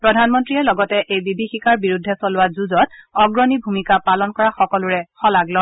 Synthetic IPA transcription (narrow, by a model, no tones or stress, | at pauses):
pɹɔdʱanmɔntɹiɛlɔɡɔtɛʔejbibʱixikaɹbiɹudʱːɛsɔlʊwazuzɔt̚ɔɡɹɔnibʱumikapalɔnkɔɹaxɔkɔlʊɹɛxɔlaɡlɔ